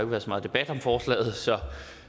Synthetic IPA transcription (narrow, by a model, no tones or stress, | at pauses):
oeɡ̥əʋæːɐðˠsɒmɑ̈ðˠd̥e̝b̥æd̥ɒ̽mfɒːslɛ̰ːð̞̩ˠsɒ̽